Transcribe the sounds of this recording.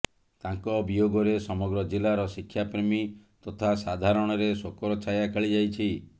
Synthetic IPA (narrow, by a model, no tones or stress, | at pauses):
t̪aŋkɔbijoɡɔɾesɔmɔɡɾɔd͡ʒilaɾɔsikʰːjapɾemit̪ɔt̪ʰasad̪ʱaɾɔɽ̃ɔɾesokɔɾɔt͡ʃʰajakʰeɭid͡ʒajt͡ʃʰi